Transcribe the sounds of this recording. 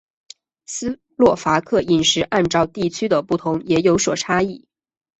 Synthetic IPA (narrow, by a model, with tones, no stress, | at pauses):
sɹ̩˥ | lwɔ˥˩fa˧˥kʰɤ˥˩i˨˩nʂɻ̩˧˥ʔa˥˧nʈ͡ʂɑ˥˧ʊt̪i˥˩t͡ɕʰy˥d̪ə˨pu˥˩t̪ʰʊ˧˥ŋjɛ˧˥jo˧˥ʊswɔ˨˩ʈ͡ʂʰa˥i˥˩